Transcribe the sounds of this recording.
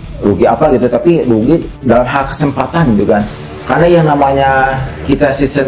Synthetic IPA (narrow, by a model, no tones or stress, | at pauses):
ɾuɡiapaɡit̪ut̪apiɾuɡi | dalamɦalkə̥səmpat̪ant̪ukan | karnajaŋnamaɲakit̪asisə